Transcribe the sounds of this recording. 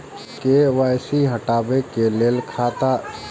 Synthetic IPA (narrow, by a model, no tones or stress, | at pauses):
keʋaːjsiɦəʈaːbekeleːlkʰaːt̪a